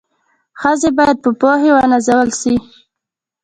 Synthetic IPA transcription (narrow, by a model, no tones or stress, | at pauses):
xəzebɑjad̪̚pəpohewanazawəlʃi